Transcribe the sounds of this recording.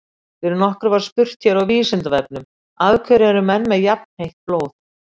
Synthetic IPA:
θɪɾɪnɔhkʏɾvaɾ̥spʏr̥t̪çaɾawviːsɪnt̪avɛpnʏm | aðkʰœɾɛɾʏmɛnːmɛðjapn̥hejht̪̚ploːwθ

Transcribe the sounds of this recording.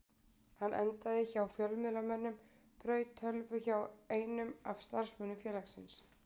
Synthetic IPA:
hanːʔɛ̰nt̪aðɪçawfjœlmɪðlamɛnːʏm | pɾœːɥt̪hœlvʏçaweːjnʏmav̥st̪aɾ̥smœʏːnːʏfjɛːlaxsɪns

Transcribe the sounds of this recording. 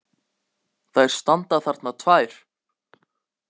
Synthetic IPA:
θajɾ̥st̪ant̪aθaɾ̥t̪nat̪ʰvaːjɾ̥

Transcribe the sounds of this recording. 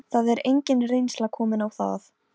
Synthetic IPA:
θaðɛɾejɲcɪnrejnslakʰɔːmɪnawθa̰θ

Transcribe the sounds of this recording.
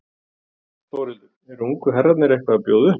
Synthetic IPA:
θowɾɪð | ɛɾuŋkʏɦɛrːat̪nɪɾɛhkvaːpjoːwðʏ

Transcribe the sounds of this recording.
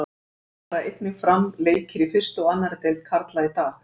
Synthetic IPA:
ɾaejt̪nɪfɾamleːjcɪɾifɪr̥st̪ʏɔanːaɾt̪ejlt̪̚kʰaɾt̪lait̪aːx

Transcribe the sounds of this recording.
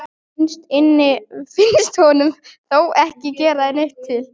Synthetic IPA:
ɪnst̪ɪnːɪfɪnst̪hɔnʏmθowɛhcɪcɛːɾaðɪneht̪ʰːɪl

